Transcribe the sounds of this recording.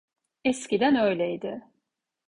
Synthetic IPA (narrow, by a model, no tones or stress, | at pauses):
ɛscid̪ænø̞jlʲɛid̪ɪ